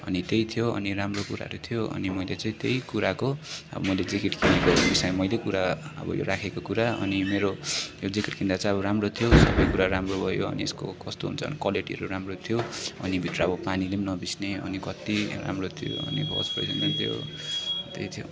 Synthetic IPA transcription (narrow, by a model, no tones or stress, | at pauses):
ʌnit̪ejt̪ʰijoʌ̰niɾamrokuɾa̰ɾut̪ʰijoʌ̰nimʌjlet͡saĩt̪ejkuɾakoʌ̰bʌ̰mʌjled͡zikiʈkʰinekobisajmʌjlekuɾaʌ̰bʌ̰jo̰ɾakʰekokuɾaʌ̰nimeɾojod͡zikiʈkʰind̪at͡saĩʌβʌɾamrot̪ʰjosʌbʌjkuɾaɾamrobʱʌjoʌ̰niesko̰kʌst̪oɦṵnt͡sʰʌʌ̰nikwʌleʈiɦʌɾuɾamrot̪ʰijoʌ̰nibʱit̪roʌbʌpanilemnʌbisneʌ̰nikʌt̪ira̰mrot̪ʰijo̰ʌʌ̰nibʱʌ̰spʌ̰jsnet̪ʰijo̰t̪ejt̪ʰijo̰